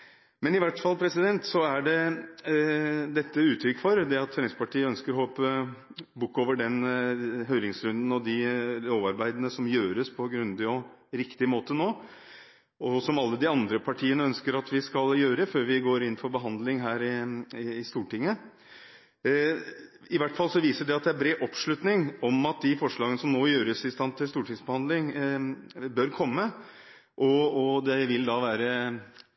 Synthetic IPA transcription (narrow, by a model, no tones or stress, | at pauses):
mɛnɪʋæʈfɑlːpʰɾɛsɪd̪ɛnt̪sɔæɖɛ | d̪ɛt̪ːəʉːt̪ʰɾʏkːfɔɾd̪ɛɑt̪fɛɾɛɪŋspʰɑʈiːəœnskəɾɦɔlpə | bʊkːoːʋəɖɛnɦœʏɾɪŋsɾʉnd̪n̩ɔd̪ɪloːʋɑɾbæɪd̪nəsɔmjøːɾəspʰɔɡɾʉnd̪ɪɔɾɪkt̪ɪmoːt̪ənoː | ɔsɔmɑlːəd̪ɪɑnd̪ɾəpʰɑʈʰiːənəœnskəɾɑt̪ʋɪskɑljøːɾəføːɾʋɪɡoːɾɪnːfɔɾbəɦɑnd̪lɪŋɦæːɾɪː | st̪uːʈɪŋːə | ɪʋæʈːfɑlsɔʋiːsəɖɛɑt̪̚d̪ɛæɾbɾeːʔɔpʂɭʉt̪nɪŋɔmɑt̪̚d̪ɪfɔʂɭɑːɡənəsɔmnoːjøːɾəsɪst̪ɑnt̪ʰːɪlst̪uːʈʰɪŋsbəhɑnd̪lɪŋ | bœɾkʰɔmːə | ʔɔɔd̪ɛʋɪld̪ɑʋæːɾə